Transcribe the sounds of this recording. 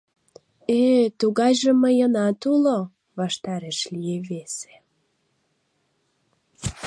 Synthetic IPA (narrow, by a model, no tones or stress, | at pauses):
et̪uɣɑjʒə̆məjənɑt̪ulo | βɑʃt̪ɑɾeʃlieβese̥